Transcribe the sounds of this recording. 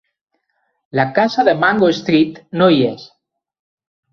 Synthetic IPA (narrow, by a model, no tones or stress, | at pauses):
lakasaðemaŋɡoest̪ɾit̪noies